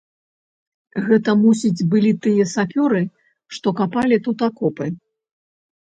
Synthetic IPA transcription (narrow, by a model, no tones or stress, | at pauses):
ɣɛt̪ɐmus̬ʲid͡zʲbɨlʲit̪ɨjɐsapʲɔɾɨ | ʂt̪ɔkapalʲit̪ut̪akɔpɨ